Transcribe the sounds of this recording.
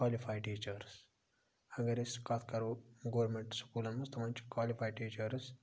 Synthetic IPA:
kaːlipʰajʈiːt͡ʃɐɾs | ɐɡɐɾiskaːt̪ʰkɐɾuɡoːɾmeɳʈskuːlɐnːust̪ɐmɐɲt͡ʃi̥kwaːlipʰajʈiːt͡ʃɐɾs

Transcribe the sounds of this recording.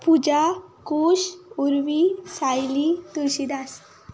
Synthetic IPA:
pud͡ʑakoɕuɾʋisajlit̪uɕid̪as

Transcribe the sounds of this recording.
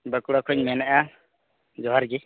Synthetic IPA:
bəkuɽakʰuɲmɛnaʔa | d͡ʒɔɦaɾɡi

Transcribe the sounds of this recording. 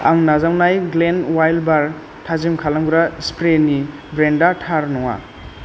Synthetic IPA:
a̰ŋnazawnajɡlenwajlbaɾ | tʰazimkʰalaŋɡuɾaspɾeni | bɾendatʰaɾnɔŋa̰

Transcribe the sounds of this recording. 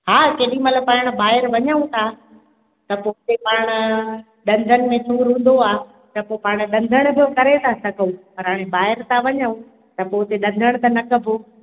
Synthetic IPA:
ɦaːkeːɗĩmɐt̪ləbpaːɪɽ̃̆baːɦɪɾʋɐɲəũt̪ʰaː | t̪ɐpoːɦɪt̪epaːɽ̃ʊ̆ | ɗɐ̃nd̪ʱənɪ̆mẽt̪uːɾɦũːn̆d̪oaː | t̪ɐpopaːɽ̃ɗɐ̃nd̪ʱəɽ̃bʱijõkɐɾet̪ʰasɐɡʰʱũpɐɾɦaːɽ̃ebaːɦɪɾt̪ʰaʋɐɲəũ | t̪ɐpoːɦɪt̪eɗɐ̃nd̪ʱəɽ̃t̪ɐnɐkɐbʱo

